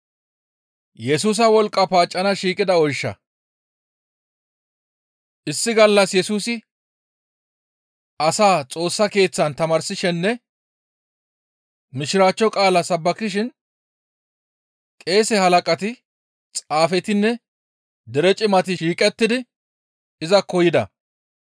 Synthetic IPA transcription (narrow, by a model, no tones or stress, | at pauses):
jɛsuːs̬ɐwɔlkʼːɐpaːt͡ʃʼːɐnɐʃiːkʼɪd̪ɐɔjʃːɐ̰ | ʔɪsːɪɡɐlːɐsjɛsuːsɪ | ɐsaːt͡sʼo̞ːsːɐke̞ːt͡sːɐnt̪ɐmaːɾsɪʃɛnːɛ | mɪʃɪɾaːt͡ʃːɔkʼaːlɐsɐbːɐkːɪʃ̬ɪn | kʼe̞ːsɛhɐlɐkʼɐt̪ɪ | t͡sʼaːfɛt̪ɪnːɛ | d̪ɛɾɛt͡ʃʼɪmɐt̪ɪʃiːkʼɛt̪ːɪd̪ɪ | ɪzɐkɔjɪd̪ɐ̰